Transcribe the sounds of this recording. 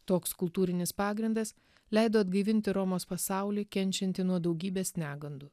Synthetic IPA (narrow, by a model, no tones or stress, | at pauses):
t̪oːkskʊlˠt̪uːɾʲɪnʲɪspɑːɡɾʲɪnd̪ɐs | lʲɛɪd̪oːɐd̪ɡɐɪʋʲɪnʲt̪ʲɪɾɔmoːspɐsɑˑʊlʲiːkʲɛnʲt͡ʃʲɛnʲt̪ʲɪnuɔd̪ɒʊɡʲiːbʲeːsʲnʲæːɡɐnd̪u